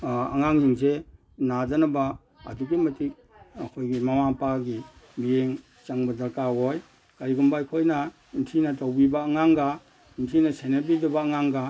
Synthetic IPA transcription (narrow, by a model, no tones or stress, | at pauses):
a̰ŋaŋhiŋs̬e | nad͡ʒanaba̰ː | duɡemɐtik̚ | akʰojɡimamapaɡibijeŋ | t͡ʃaŋbadaɾkawoj | kaɾiɡumbajkʰojna | intʰinatawbibaːŋaŋɡa | intʰinasenabidabaːŋaŋɡa